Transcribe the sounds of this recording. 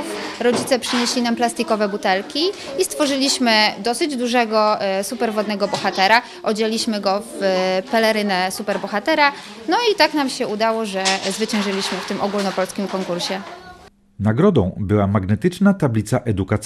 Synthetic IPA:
ɾɔd͡ʑit̪sɛpʂɘɲeɕlʲinamplast̪ʲikɔvɛbut̪ɛlkʲiist̪fɔʐɘlʲiɕmɘd̪ɔsɘd͡ʑd̪uʐɛɡɔsupɛɾvɔd̪nɛɡɔbɔxat̪ɛɾa | ʔɔd͡ʑelʲiɕmɘɡɔfpɛlɛɾɘnɛsupɛɾbɔxat̪ɛɾanɔit̪aknamɕɛud̪awɔʐɛzvɘt͡ɕɛ̃w̃ʐɘlʲiɕmɘft̪ɘmʔɔɡulnɔpɔlskʲimkɔŋkuɾɕɛ | naɡɾɔd̪ɔ̰̃w̃bɘwamaɡnɛt̪ɘt͡ʂnat̪ablʲit̪saʔɛd̪ukat̪s

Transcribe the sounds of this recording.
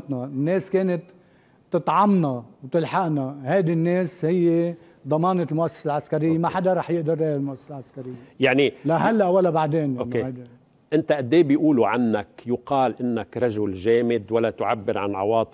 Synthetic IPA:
t̪nanːeːskeːnɪt̪ː | ɨt̪ˤʕɑmnawt̪ɪlħaʔnahajd̪ɪnːeːshɪjːe | d̪ˤɑmɑːnɪlmʊʔasːḁsalʕaskaɾɪjːemaħad̪aɾˤɑːħjɪʔd̪ɪɾːeːjʕɪlmʊʔasːasalʕaskaɾɪjːejaʕnilaɦalːaʔwalːabaʕd̪eːnjoeajd̪ | ʔɪnt̪aʔad̪ːeːbjʔuːluʕanːakjʊqɑːlʔɪnːakɾˤɑʒʊlʒeːmɪd̪walːat̪ʊʕabːɪɾʕa̰nʕɑ̰wɑːt̪ˤ

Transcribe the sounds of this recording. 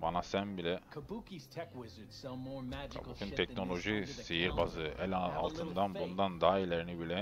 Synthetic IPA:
banasænbilʲɛkʰəbukiz̥tʰɛkwɪzə˞dsɐ̃mɔɹækʰa̰bṵkʰɯnt̪ʰɛcno̞lʲˠo̞ʒisejiɾbazɯʔɛlʲaa̰lˠt̪ʰɯnd̪anbund̪and̪aːilʲeɾinibilʲɛ

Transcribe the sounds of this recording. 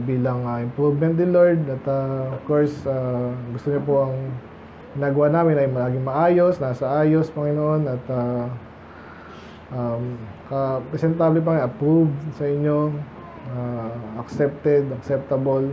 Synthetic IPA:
biːlɐŋɐʔɪmpɾuvmɛnt̪̚nɪloɹd̪ɐt̪aofkoɹsaɡʊst̪oɲop̬oʔɐŋ | ɡ̥ɪnaːɡɐwanaːmɪnʔɐjŋmɐlaːɡɪŋmɐʔaːjo̞snaːsɐʔaːjo̞spɐŋɪnoʔo̞nɐt̪a | ʔamkɐpɾɛsɛnt̪aːblɛp̬ɐŋɐjʔɐpɾuvsɐʔɪɲːo̞ | aʔɐksɛp̚t̪ɛd̪ɐksɛp̚t̪ɐbol

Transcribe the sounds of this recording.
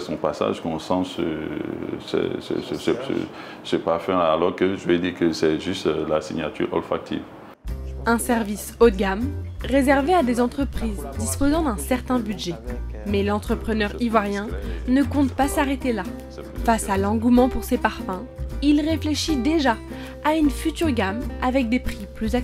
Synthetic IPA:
sɔ̰̃pasa̰ʒkɔ̃sɑ̃sə̰ | sɛ̰sə̰səsəsə̰ | səpaʁfɛ̃alɔʁkəʒəvɛd̪iʁkəsɛʒyst̪lasiɲat̪y̰ʁɔ̰lfak̚t̪ʰḭv | ɛ̃sɛʁvisot̪̚ɡamʁezɛʁvead̪ezɑ̃t̪χəpχizd̪ispozɑ̃d̪ɛ̃sɛʁt̪ɛ̃byd̪ʒɛmɛlɑ̃t̪χəpχənœʁivwaʁjɛ̃nəkɔ̃t̪pasaʁet̪ela | fasalɑ̃ɡumɑ̃puʁsepaʁfɛ̃ | ilʁefleʃid̪eʒa | aynfyt̪yʁɡamavɛk̚d̪epχiplyza

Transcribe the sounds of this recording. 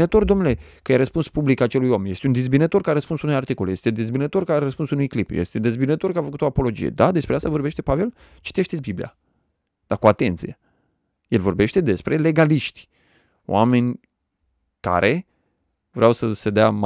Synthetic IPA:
nət̪o̞rd̪o̞mnule̞kəjaɾəspunspublikat͡ʃe̞lujoamenje̞st̪eund̪izbinət̪o̞rkaɾəspunsunojart̪ikoljest̪e̞d̪izbinət̪o̞rkaɾəspunsunujklipjḛst̪e̞d̪ezbinət̪o̞rkafəkut̪o̞apo̞lo̞d͡ʒḭjḛd̪ad̪e̞spɾeast̪avo̞rbe̞ʃt̪e̞pave̞l | t͡ʃi̥t̪eʃt̪et̪sʲbiblḭja̰ | d̪̥akoat̪e̞nt̪sije | jelvo̞rbe̞ʃt̪e̞d̪e̞spɾe̞le̞ɡaliʃt̪ʲ | o̰wa̰me̞nʲ | ka̰ɾʔe̞ | vɾeawsəsed̪eam

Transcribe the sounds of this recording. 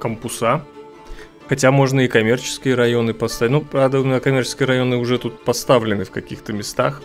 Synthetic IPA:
kəmpʊsa | xɐtʲamo̞ʐnəɪkɐmʲe̞rt͡ɕɪ̥skʲɪjəɾɐjo̞nɨpɐst̪at̪ʲnupɾavd̪əʊmʲɪnʲakɐmʲert͡ɕɪ̥skʲɪjəɾɐjo̞nɨʊʐɛt̪ut̪̚pɐst̪avlʲɪnɨfkɐkʲixt̪əmʲɪst̪a̰x

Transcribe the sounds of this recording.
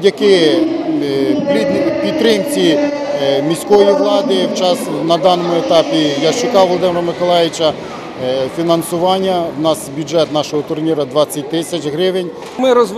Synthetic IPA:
dʲjɐkɪ | pʲipʲit̪ːɾɪmt͡sʲi | mʲisʲkɔjiʋlˠɑd̪ɪwt͡ʃɑsnɐd̪ɑnɔmʊet̪ɑpʲijat͡ʃɪkɑʋwʋɔlˠɔd̪ɪmeɾɐmɪkɔlˠɛjʋɪt͡ʃɐ | fʲinɐnsʊʋɑnʲːɐwnɑsbʲjʊd͡ʒɛt̪nɑʃɔɦɔt̪ʊrnʲiɾɐd̪ʋɑt͡sʲːɐt̚ʲt̪ɪsʲɐt͡ʃɦɾɪʋɪnʲ | mɪɾɔzʋ

